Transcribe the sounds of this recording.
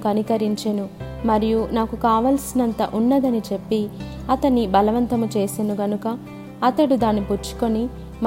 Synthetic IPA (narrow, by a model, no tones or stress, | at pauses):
kɐnikɐɾiɲt͡ʃenu | mɐɾijunaːkukaːʋɐlsinɐnt̪ɐ̰ʔunːɐd̪ɐnit͡ʃe̞pːi | ɐt̪ɐɳːibɐlɐʋɐnt̪ɐmut͡ʃe̞ːsenuɡɐnukɐ | ɐt̪ɐɽud̪aːnːiput͡ʃːu̥ko̞ni | m